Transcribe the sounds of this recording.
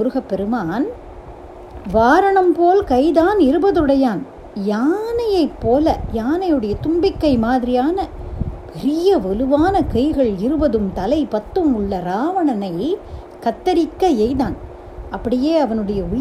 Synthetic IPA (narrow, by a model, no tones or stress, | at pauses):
ʊɾɯɣɐpːɛɾɯmaːn | ʋaːɾɐɳɐmpoːlkɐɪðaːnɪɾɯbɐðɯɽɐjaːn | jaːnɐjɐɪpːoːlɐjaːnɐjɯɽɐjɐt̪ʊmbɪkːɐɪmaːðɪɾɪjaːnɐpɛɾɪjɐʋɐlɯʋaːnɐkɐɪɣɐɭɪɾɯbɐðɯmt̪ɐlɐɪpɐt̪ːɯmʊɭːɐɾaːʋɐɳɐnɐɪ | kɐt̪ːɐɾɪkːɐɛɪðaːn | ɐpːɐɽɪjeːɐʋɐnɯɽɐjɐʊ